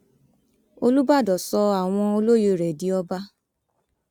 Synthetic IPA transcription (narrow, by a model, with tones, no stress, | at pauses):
o˧lu˦ba˦˨dɔ˨sɔ˧a˨w̃ɔ̃˧o˧lo˦je˧˨ɾɛ˨di˨˦ɔ˦ba˦